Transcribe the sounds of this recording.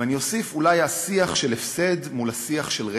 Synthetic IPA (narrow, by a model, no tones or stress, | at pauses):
anio̞sifulajasiaχʃelefse̞d̪mulasiaχʃelʁe